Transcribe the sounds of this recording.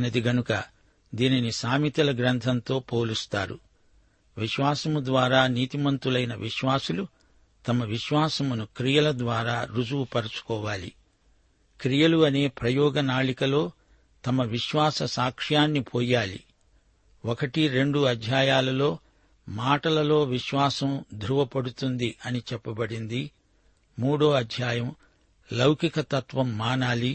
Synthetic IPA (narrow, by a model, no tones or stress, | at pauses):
nɐd̪iɡɐnukɐ | d̪iːninisaːmit̪ɐlɐɡɾɐnt̪ʰɐnt̪o̞ːpoːlust̪a̰ːɾṵ | ʋiʃʋaːsɐmud̪ʋaːɾaːniːt̪imɐnt̪ulɐjnɐʋʔiʃʋaːsulu | t̪ɐmɐʋiʃʋaːsɐmunukɾijɐlɐd̪ʋaːɾaːɾud͡ʒuwupɐɾɐt͡ʃu̥kɔːʋaːlḭ | kɾijɐluɐne̞ːpɾɐjɔːɡɐnaːɭikɐlo̞ː | t̪ɐmɐʋiʃʋaːsɐsaːkʂjaːnːipʰɔːjaːlḭ | ɔkɐʈiɾe̞ɳɖuɐd̪ʱjaːjaːlɐlo̞ː | maːʈɐlɐlo̞ːʋiʃʋaːsɐmd̪ɾuʋɐpɐɽut̪und̪iʔɐnit͡ʃɛpːɐbɐɽind̪iː | uːɽoːɐd̪ʱjaːjɐm | lɐwkikɐt̪ɐt̪ʋɐmːaːnaːli